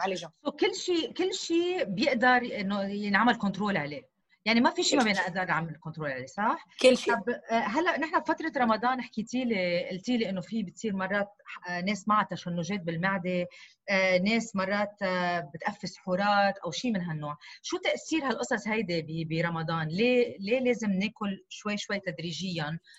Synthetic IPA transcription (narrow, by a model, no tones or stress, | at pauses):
alsokɪlːʃiːkɪlːʃiːbjɪʔd̪ɑɾˤʔɪnːojɪnʕamːɪlkʊnt̪ɾoːlʕaleː | jaʕnimafiʃiːmabjɪnʔɪʔd̪ɑɾnʕamɪlɪlkɔnt̪ɾoːlʕalesˤɑħkɪt̪ɑbɦalːaʔnɪħnabfat̪ɾˤɑɾˤɑmɑd̪ˤɑːnʔɪħkit̪iːleʔɪlt̪iːleʔɪnːofibɪt̪sˤiːɾmɑrˤːɑːt̪̚neːsmaʕat̪aʃanːoːʒeːt̪̚bɪlmaʕd̪e | neːsmɑrˤːɑːt̪bɪt̪ʔafːɪsħuːɾˤɑːt̪ʔawʃiːmɪnɦanːoːʕʃuːt̪aʔsiːɾhalʔɨsˤɑsˤhajd̪ibibiɾˤɑmɑd̪ˤɑːnleːleːleːzɪmneːkʊlʃwajːʃwajːt̪ad̪ɾiːʒɪjːan